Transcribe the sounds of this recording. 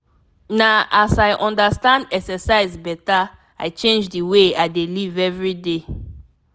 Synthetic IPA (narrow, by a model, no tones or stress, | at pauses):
naasaɪʔɔ̃ndastãndɛksɛsaɪzbɛta | aɪt͡ʃẽnd͡ʒdiweaɪdelivɛvɹide